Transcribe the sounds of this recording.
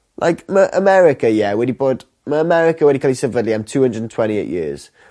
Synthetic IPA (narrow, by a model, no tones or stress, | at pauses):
lʔa̰ɪkməʔə̰mɛɹɪkəjɛwədibɔˑt | məəmɛɹɪkəwədikʰɛlisɛdvədliãɪ̃mtʰuːhə̃ndɹədən̩tʰw̥ɛ̃ñtiḛɪʔjɪəz̥